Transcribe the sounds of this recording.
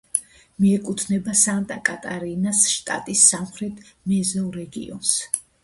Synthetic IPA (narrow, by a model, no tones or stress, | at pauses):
miɛkʼut̪ʰnɛbasant̪ʼakʼat̪ʼaɾinasʃt̪ʼa̰t̪ʼisːamχɾɛt̪ʰmɛzalˠɾɛɡḭɔ̰ns